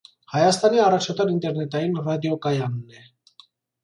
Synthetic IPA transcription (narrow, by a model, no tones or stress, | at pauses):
hɑjɑst̪ɑniɑrɑt͡ʃʰɑt̪ɑɾint̪ɛɾnɛt̪ɑjinrɑd̪jɔkɑjɑnːɛ